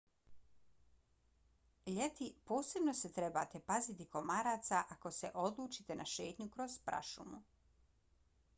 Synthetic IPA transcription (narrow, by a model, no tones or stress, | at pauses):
ʎet̪ipoːse̞bno̞set̪ɾeba̰ːt̪epazit̪iko̞maɾaːt̪saʔako̞sḛʔo̞d̪lˠuːt͡ʃit̪enʔaʃe̞ːt̪ɲukɾo̞z̥pɾa̰ʃumu